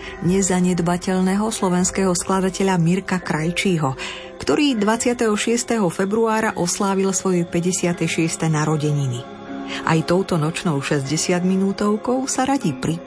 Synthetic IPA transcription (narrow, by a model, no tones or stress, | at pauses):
ɲɛzaɲɛd̪bacɛʎnɛɦɔslɔʋɛnskɛɦɔsklad̪acɛʎamiɾkakɾajt͡ʃiːɦɔ | kt̪ɔɾiːd̪ʋat͡sɪat̪ɛɦɔʃɪɛst̪ɛɦɔfɛbɾuaːɾaʔɔslaːʋilsʋɔjɛpɛɟɛsɪat̪ɛjʃɪɛst̪ɛnaɾɔɟɛɲini | ʔa̰jt̪ɔʊt̪ɔnɔt͡ʃnɔʊʃɛzɟɛsɪad̪minuːt̪ɔʊkɔʊsaɾaɟipɾi